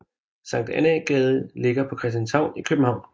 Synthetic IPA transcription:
sɑ̈ŋ̰d̥æneɡ̥ɛːð̞ˠle̝ɡ̥ɐpʰɒ̽kʰʁɛsd̥jænshɑ̈ʊ̰nikʰøb̥m̩hɑ̈ʊ̰̃n

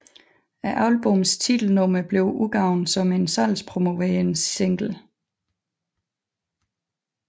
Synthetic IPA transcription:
æʔɑ̈ʊlb̥ɔmst͡sʰid̥l̩nɔ̽mɐb̥le̝ʊʔuɡ̥ɑ̈ʊ̰nsɒ̽me̝nsæl̰spʰʁomo̝ʋɛːnsseŋ̰ɡ̥l̩

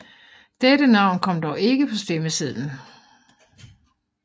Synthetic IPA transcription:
d̥edənɑ̈ʊ̰nkʰɒ̽m̰d̥ɒʊe̝ɡ̥əpʰɒ̽sd̥eməsið̰ˠn̩

